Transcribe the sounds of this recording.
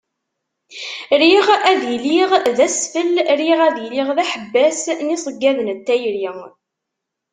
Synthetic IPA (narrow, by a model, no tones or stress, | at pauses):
ɾiʁæðiliʁðæsfəlɾiʁæðjəliʁðæħəbːæsnisˤəɡːæðənt̪ːæjɾiŋ